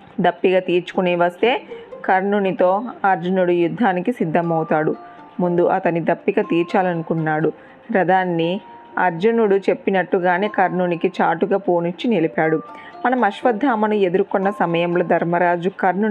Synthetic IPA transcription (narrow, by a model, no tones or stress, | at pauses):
d̪ɐpːiɡaːt̪iːɾt͡ʃu̥kuniːʋɐst̪e̞ːkɐɾnuːnit̪o̞ːɐɾd͡ʒunuɽujud̪ʱːaːnikisid̪ʱːɐmɐwt̪aːɽu | mund̪uʔɐt̪ɐnːid̪ɐpːiɡɐt̪iːɾt͡ʃaːlɐnukunːaːɽu | ɾɐd̪aːnːi | ɐɾd͡ʒunuɽut͡ʃe̞pːinɐʈːuɡaːniːkɐɾnuːnikit͡ʃaːʈuɡaːpoːnit͡ʃːinelipaːɽumɐnɐmɐʃʋɐd̪ʱːaːmɐnue̞d̪uɾukɔnːɐsɐmɐjɐmlɐd̪ʱɐɾmɐɾaːd͡ʒukɐɾnu